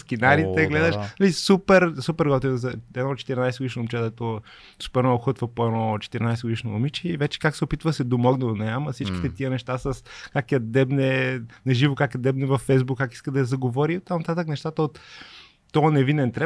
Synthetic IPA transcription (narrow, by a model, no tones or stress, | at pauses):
skinaɾit̪ɛɡlɛd̪əʃnɐlisupɛɾsupɛɾɡɔt̪izɐɛd̪ɔt͡ʃɛ̥t̪iɾinajsɛɡod̪iʃnːmit͡ʃɛd̪ɐɛt̪ɔ | su̥pɛɾmnɔɡʊxɤt̪vɐpoɛnɔt͡ʃɛ̥t̪iɾinajsɛɡod̪iʃnoomit͡ʃɛivɛt͡ʃɛ̥kaksɛopit̪vəsɛd̪omɔɡnɛd̪onɛamɐfsit͡ʃkʲit̪ɛt̪iənɛʃt̪asɐskakɛɐd̪ɛbnɛnɐʒivokakɛd̪ɛbnɛvɐfːɛjzbukːaki̥skəd̪ɐɛzɐɡovɔɾiot̪ːamnɐt̪at̪əknɛʃt̪at̪əot̪ː | ɔənɛvinɛnt̪ɾɛ